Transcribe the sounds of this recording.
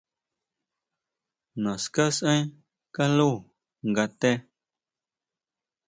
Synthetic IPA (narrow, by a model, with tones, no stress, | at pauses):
nã˨ska˦sʔə̃˦j | ka˦lu˦˨ | ŋɡa˧t̪e˦